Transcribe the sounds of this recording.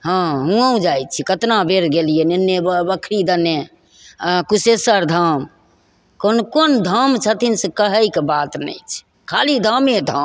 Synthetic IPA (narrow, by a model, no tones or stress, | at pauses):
ɦãɦũaũd͡ʒaj̚t͡ʃʰikət̪nabʱeɾɡelijeninːebəbəkʰɾid̪əne | kusesəɾd̪ʱam | konkond̪ʱəmt͡ʃʰət̪insekəɦəjkebat̪nə̰jt͡ʃʰ | kʰalid̪ʱəmed̪ʱə